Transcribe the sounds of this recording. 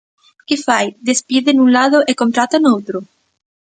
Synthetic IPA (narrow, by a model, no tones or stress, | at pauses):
kefajd̪espiðenunlaðoʔekont̪ɾat̪anowt̪ɾo